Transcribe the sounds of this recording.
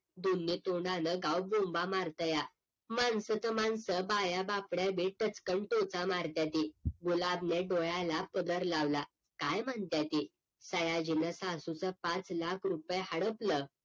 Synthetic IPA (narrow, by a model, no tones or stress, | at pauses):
d̪unːit̪oɳɖãnəɡawbombamaɾt̪əja | mansət̪əmansəbajabapɽjabiʈət͡skəɳʈot͡samaɾt̪jat̪iɡulabneɖojalapəd̪əɾlaʋla | kajməɳt̪jat̪i | səjad͡ʑinəsasut͡səpat͡slakʰɾupjeɦəɽəplə